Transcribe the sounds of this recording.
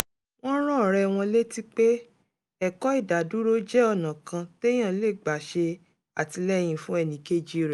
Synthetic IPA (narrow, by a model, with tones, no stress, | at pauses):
w̃ɔ̃˦ɾɔ̃˦˨ɾɛ˧w̃ɔ̃˧le˦ti˦k͡pe˦ | ɛ˦˨kɔ˨˦i˦˨da˨du˦ɾo˦d͡ʒɛ˦ɔ˨nã˨kã˧te˦j̃ã˦˨˦le˦˨ɡ͡ba˨ʃe˧ | a˨ti˧lɛ˦˨j̃ĩ˧fũ˦ɛ˦˨nĩ˨˦ke˦˨d͡ʒi˦ɾi˨